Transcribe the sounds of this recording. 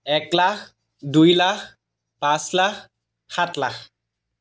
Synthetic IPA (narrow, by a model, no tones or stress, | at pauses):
ɛklakʰ | dujlakʰ | pãslakʰ | hatlak